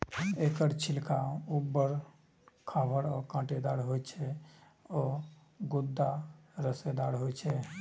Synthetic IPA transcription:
ekəɾt͡ʃʰilkaubːəɾ | kʰabʱəɾɔkãːʈed̪aɾɦojt͡ʃʰɛ | ɔ | ɡud̪ːaɾəsed̪aɾɦojt͡ʃʰɛ

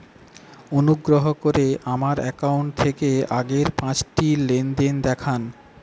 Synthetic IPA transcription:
onuɡɾoɦokoɾeʔamaɾɛkauɳʈ̚t̪ʰekeaɡeɾpãt͡ɕʈilend̪end̪ɛkʰan

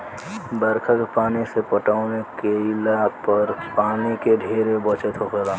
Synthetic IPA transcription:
bəɾkʰəkpaːnisepəʈaːʊnekeɪlapəɾpaːnikeɖʱeːɾebət͡ʃət̪ɦokeɾaː

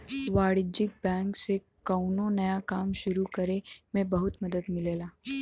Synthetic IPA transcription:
ʋaɽid͡ʑik̚bæ̃ŋkse | kəwnonəjakamɕuɾukəɾemebəɦut̪məd̪ət̪milela

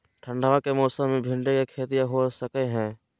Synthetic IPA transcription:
ʈʰəɳɖaʋakemɔːsə̃mẽbʱɪ̃ɳɖekekʰeːt̪ijaɦosəkeɦɛ̃ː

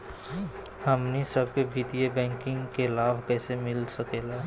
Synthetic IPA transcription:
həmnisəb̚kebʱit̪ijebɛ̃ːŋkɪ̃ŋɡkelaːbʱkɛːsemɪlsəkeːlaː

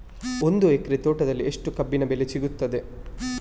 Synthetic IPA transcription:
o̞nd̪uekɐɾit̪oːʈɐd̪ɐlːieʂʈukɐbːinɐbelet͡ʃiɡut̪ːɐd̪e

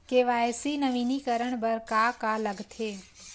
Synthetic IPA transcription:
keʋaesinəʋinikəɾəɳ̃bəɾkakaləɡt̪ʰe

